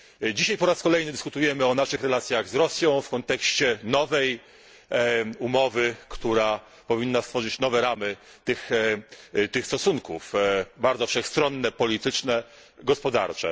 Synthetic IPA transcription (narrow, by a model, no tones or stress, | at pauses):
d͡ʑiɕajpɔɾaskɔlɛjnɘd̪ɘskut̪ujɛmɘɔnaʂɘxɾɛlat̪sʲjaɣzɾɔsʲjɔ̃w̃fkɔnt̪ɛkɕt͡ɕɛnɔvɛj | umɔvɘkt̪uɾa | pɔvʲinːast̪fɔʐɘt͡ɕnɔvɛɾamɘ | t̪ɘx | t̪ɘxst̪ɔsuŋkufbaɾd̪zɔfʂɛxst̪ɾɔnːɛpɔlʲit̪ɘt͡ʂnɛ | ɡɔspɔd̪a̰ɾt͡ʂɛ̰